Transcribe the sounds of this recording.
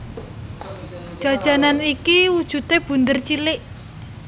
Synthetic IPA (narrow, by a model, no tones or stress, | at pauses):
d̥ʒ̥ä̤d̥ʒ̥a̤nanikiwud̥ʒ̥ṳt̪eb̥ṳnd̪ərt͡ʃilɪʔ